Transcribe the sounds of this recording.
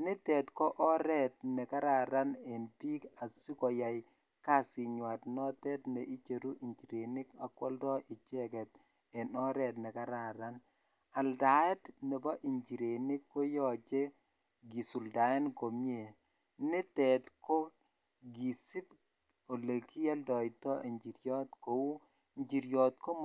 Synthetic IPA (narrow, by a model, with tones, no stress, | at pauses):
nɪ˦tɛ˨tkɔ˦ʔɔ˦ɾɛ˦˨t̚nɛ˨ka˦ɾa˨ɾa˦ne˨npi˦ka˨si˦kɔ˨ja˨j | ka˦˨sɪ˨ɲwa˨tnɔ˦tɛ˦tnɛ˨ʔi˦t͡ʃe˨ɾu˦ʔi˨ɲd͡ʒi˨ɾe˨nɪ˦ka˨kwɔ̰˦ldɔ˦ʔɪ˨t͡ʃɛ˦kɛ˨t̚ | ɛ˨nɔ˦ɾɛ˨tnɛ˨ka˦ɾa˨ɾa˦n | a˨lda˨ɛ˦tne˨bɔ˦ʔi˨ɲd͡ʒi˨ɾe˨ni˦kːo˦jɔ˦t͡ʃe˦ | ɡi˨su˨lda˨ɛ˦nko˨mje˨ | nɪ˦tɛtko˦ | ɡi˨si˦p | o˨le˨ki˦ja˦ldɔ˨i˨tɔ˦e˨ɲd͡ʒi˨ɾjɔ˦tko˨u˦ | i˨ɲd͡ʒi˨ɾjɔ˨tko˦m